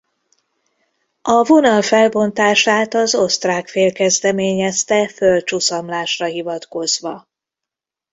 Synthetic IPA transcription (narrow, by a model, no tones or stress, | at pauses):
ɒvo̞nɒlfɛlbo̞nt̪aːʃaːt̪ɒzo̞st̪raːkfeːlkɛzd̪ɛmeːɲɛst̪ɛfølt͡ʃusɒmlaːʃrɒɦivɒt̪ko̞zʋɒ